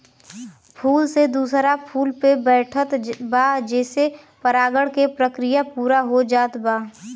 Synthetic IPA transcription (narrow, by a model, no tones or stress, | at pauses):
pʰuːlsed̪uːsɾapʰuːlpebɛːʈʰət̪baːd͡ʒɛːse | pəɾaːɡəɽkepɾəkɾɪjapuːɾaɦod͡ʒaːt̪baː